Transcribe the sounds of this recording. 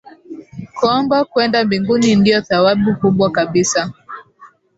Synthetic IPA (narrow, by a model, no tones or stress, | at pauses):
kɔmbakwɛndambiŋɡunindijɔθawaɓukuɓwakaɓisa